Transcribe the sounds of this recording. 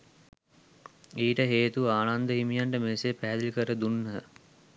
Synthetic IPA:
iːʈəɦeːt̪uaːnand̪əɦimijaɳʈəmesepæɦæd̪ilikəɾəd̪unːə

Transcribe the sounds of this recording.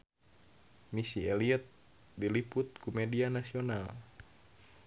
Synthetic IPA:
misiɛliət̪̚ | dilipʊt̪̚kumɛdianasional

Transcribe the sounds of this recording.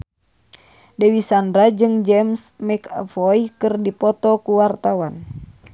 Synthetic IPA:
dɛwisandɾad͡ʒɨŋd͡ʒɛmsmɛkfɔjkɨrdipɔt̪ɔkuwart̪awan

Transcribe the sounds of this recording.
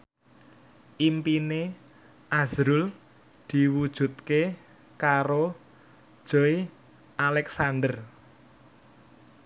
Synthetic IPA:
ʔimpine | ʔazɾʊl | d̪̥i̤wud̥ʒ̥ṳt̪̚ke | kaɾo̥ | ʒ̥oi | ʔalɛksand̪ər

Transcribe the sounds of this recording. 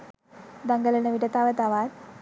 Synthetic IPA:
d̪ɐŋɡɐlɐnɐʋiʈɐt̪ːaːʋɐt̪aːʋaːt̪

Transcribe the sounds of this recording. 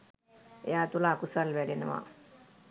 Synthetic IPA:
ejaːt̪ulaːkusalʋælinəʋa̰

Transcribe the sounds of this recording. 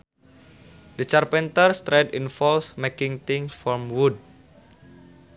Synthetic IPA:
dət͡ʃarpɛnt̪ərst̪ɾɛdinfɔlsmekɪŋt̪ɪŋsfɔmwud̚

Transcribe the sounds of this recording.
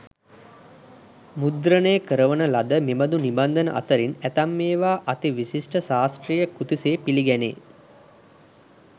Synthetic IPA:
mud̪ɾənəjəkəɾəʋənəlad̪əmeməd̪uniband̪ənə̰ʔa̰t̪əɾinæt̪amːeːʋaːʔat̪iʋisisʈəsaːsʈrijəkut̪iseːpiliɡɛnḛː

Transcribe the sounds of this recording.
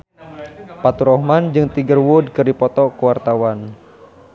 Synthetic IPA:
pat̪uɾɔhmand͡ʒɨŋt̪iɡərwʊd̚kɨrdipɔt̪ɔkəwart̪awan

